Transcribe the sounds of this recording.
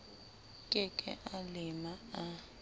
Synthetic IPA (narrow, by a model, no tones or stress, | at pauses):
kʼɛkʼɛ̰ʔalɪmaa